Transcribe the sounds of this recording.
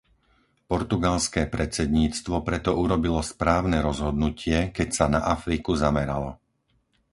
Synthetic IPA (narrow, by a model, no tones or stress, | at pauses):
pɔɾt̪uɡalskɛːpɾɛt͡sɛd̪ɲiːt͡st̪ʋɔpɾɛt̪ɔuɾɔbilɔspɾaːʊnɛːɾɔzɦɔd̪nucɪɛkɛcsanaʔafɾikuzamɛɾa̰lɔ